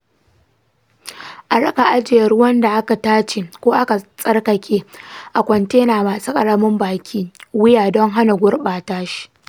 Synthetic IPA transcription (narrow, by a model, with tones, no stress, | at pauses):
ʔa˨ɽɐ˦ka˨ʔa˦d͡ʒɪ˨jɐ˨ɾʊ˦wɐ˦nda˨ʔa˦ka˨taː˦t͡ʃeː˨kʷoː˦ʔa˦ka˨sʼɐ˦rkɐ˨kʲʰeː˦ʔa˨kʷɔ˨nteː˦naː˨maː˨suː˦kʼɐ˨ɽɐ˦mɪ˦mbaː˨kʲʰiː˦wɪ˦jaː˨dɔ˦ŋɦa˦na˨ɡʷʊ˦rɓaː˨taː˦ʃi̥˦˨ʔ